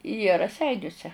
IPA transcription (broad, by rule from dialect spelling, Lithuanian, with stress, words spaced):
jiɛ rɐˈsʲɛɪnʲʊsʲɛ